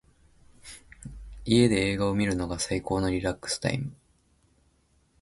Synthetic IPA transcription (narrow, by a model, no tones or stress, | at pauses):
ie̞d̪e̞eːɡaomʲiɾɯ̟no̞ɡasaiko̞ːno̞ɾʲiɾakːɯ̟̥sɨ̥t̪a̰ḭmɯ̟